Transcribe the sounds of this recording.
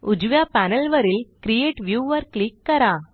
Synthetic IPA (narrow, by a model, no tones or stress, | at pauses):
ud͡ʑʋjapænəlʋəɾiːlkɾijeʈʋjuʋəɾklikːəɾa